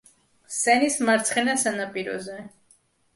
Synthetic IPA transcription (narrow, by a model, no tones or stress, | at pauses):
sɛnismaɾt̪sʰχɛnasanapʼiɾɔ̰zɛ